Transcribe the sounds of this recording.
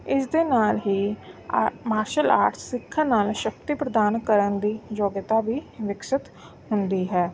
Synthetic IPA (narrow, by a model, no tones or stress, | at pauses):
ɪsd̪eːnaːlɦiː | maːɾʃəla̰ːɾt̪ʰsɪkʰːanaːlʃək̚t̪iːpɾəd̪aːnkəɾənd̪iːd͡ʒoːɡət̪aːbiːʋɪkʃɪt̪ | ɦʊnd̪iːɦɛː